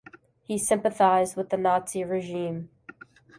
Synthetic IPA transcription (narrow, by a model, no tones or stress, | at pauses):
hisɪ̃mpɨθaɪzd̚wəðɨnɑtsiɹɨʒĩm